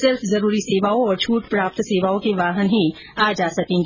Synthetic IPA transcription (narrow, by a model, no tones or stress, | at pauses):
sɪɾfzɐɾuːɾiseːʋaːõɔːɾt͡ʃʰuːʈpɾaːp̚t̪seːʋaːõkeʋaːɦənɦĩ | aːd͡ʒaːsɐkẽːŋɡi